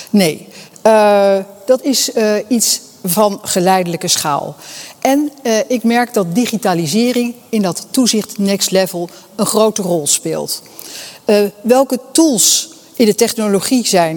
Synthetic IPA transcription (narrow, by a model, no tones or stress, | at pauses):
nej | d̥ɑtɪsits | vɑnχəlɛjdələkəsχa̰ːlˠʔɛnɪkmɛɹk̚dɑt̚diχitaːlizɪːrɪŋɪndɑtːuzɪχtnɛkstlɛvəlˠ | ənχrowtərɔlˠspɪ̰ːlˠt | ʋɛlˠkətulˠs | ɪndətɛχnoloχizɛjn